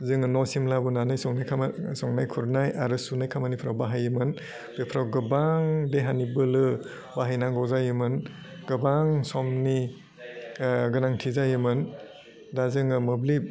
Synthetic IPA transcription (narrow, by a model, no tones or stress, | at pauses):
zɯŋɯnɔsimlabunanɯjsɔŋnakʰamsɔŋnajkʰuɾnajaɾɯsunajkʰamanipʰɾawbaɦajɯmɯn | b̥epʰɾawɡɯbaŋdeɦanibɯlɯ | baɦajnaŋɡɔwzajɯmɯn | ɡ̥ɯbaŋsɔmni | ɡɯnaŋtʰizajɯmɯn | dazɯŋɯmɯbli